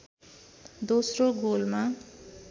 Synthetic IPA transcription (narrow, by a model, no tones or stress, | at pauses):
d̪osroɡolma